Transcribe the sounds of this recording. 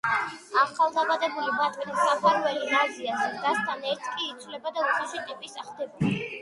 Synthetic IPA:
aχalˠd̪abad̪ɛbulimat̪ʼvinɛmsʼamqʼaɾvɛliaziazɛd̪ɡast̪ʰanɛɾt̪ʰkʼiːt̪sʰvlɛbad̪auχiʃit̪ʼipʼisaχd̪ɛbɔba

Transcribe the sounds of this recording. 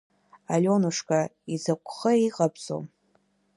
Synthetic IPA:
alʲonuʂkʼaizakʷʰʼχəiqʼapʰzo̰

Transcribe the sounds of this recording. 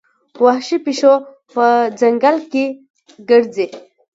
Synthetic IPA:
wahʃipiʃo | pəd͡zaŋɡalke | ɡəɾd͡ze

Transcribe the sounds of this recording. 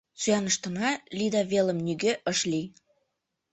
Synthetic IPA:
t͡sujɑnɤ̆ʃt̪ɤ̆nɑlʲid̪ɑβelə̆mnʲyɡøʔɤ̆ʃlʲi

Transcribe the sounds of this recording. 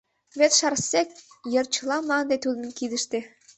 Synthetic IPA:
βet̪ʃɑrsek̚jərt͡ɕəlɑmlɑnd̪et̪ud̪ə̆nkid̪əʃt̪e

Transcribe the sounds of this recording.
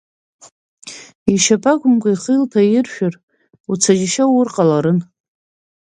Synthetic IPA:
iʃapʼakʷʊmkʷʼaiχiltʰajɪrʃᶣʊr | ut͡sʰaʒɪʃawʊrqʼalaɾɨn

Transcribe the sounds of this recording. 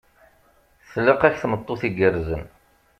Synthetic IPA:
θləqæçθmət̪ˤːoθiɡəɾzən

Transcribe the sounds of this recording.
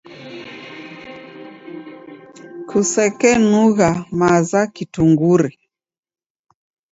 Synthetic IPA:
kʰusɛkɛnuɣamazakituŋɡuɾi

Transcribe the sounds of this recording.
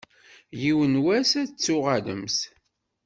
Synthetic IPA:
jiwənwæsæt͡sːʊʁalə̰ms

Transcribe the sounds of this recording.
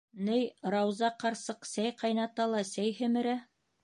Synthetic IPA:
nɘjɾɑwzɑqɑɾsɤqsæjqɑjnɑt̪ɑlˠɑsæjhɘ̆mɘ̆ɾæ

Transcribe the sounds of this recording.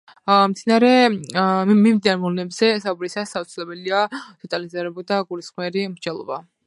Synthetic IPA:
md̪inaɾɛ | mimd̪inaɾmɔlɛnɛbzɛsaubɾisasaft̪sʰilɛbɛliad̪̥ɔt̪ʼalizɛɾɛbud̪aɡulisχmiɛɾimɾd͡ʒɛlˠɔ̰ba

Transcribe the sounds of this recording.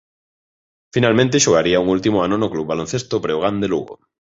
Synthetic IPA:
finalmẽnt̪eʃoɣ̞aɾiauŋult̪imoanonoklubbalõn̟θest̪opɾeoɣ̞and̪eluɣo̰

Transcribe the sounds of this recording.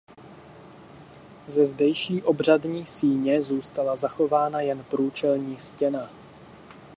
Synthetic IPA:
zɛzdɛjʃiːʔo̞br̝adɲiːsiːɲɛzuːst̪alazaxo̞vaːnajɛnpɾuːt͡ʃɛlɲiːscɛna

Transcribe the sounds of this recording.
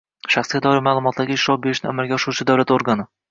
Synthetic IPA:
ʃaχsɡ̥ʲat̪ʰɒɾɪmaːlˠʊmɒt̪laɾɡʲaɪʃɾɒp̚beɾɪʃnɪamalɡʲaɒʃuwt͡ʃʰad̪awlat̪oɾɡanɪ

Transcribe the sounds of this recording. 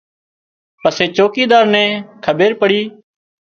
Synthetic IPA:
pəseːt͡ʃoːkiːd̪aːɾnɛ̃ːkʰəbeːɾpəɽiː

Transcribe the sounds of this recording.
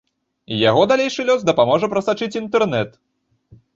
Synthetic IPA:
jaɣɔd̪alʲejʂɨlʲɔsd̪ɐpamɔʐɐpɾɐsat͡ʂɨt͡sʲint̪ɛrnɛt̪

